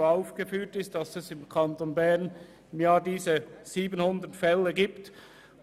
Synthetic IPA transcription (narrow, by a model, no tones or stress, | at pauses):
aʊfɡ̥əfyːtɪstd̥ɑsɛsɪmkʰɑntoːnbɛʁn | ɪmjaːdiːzəz̥iːbənhʊndətfɛlːəɡiːpt